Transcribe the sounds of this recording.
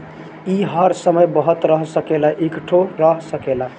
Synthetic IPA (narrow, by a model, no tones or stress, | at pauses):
iɦəɾsəməjbəɦət̪ɾəɦsəkelaʔikʈʰoɾəɦsəkela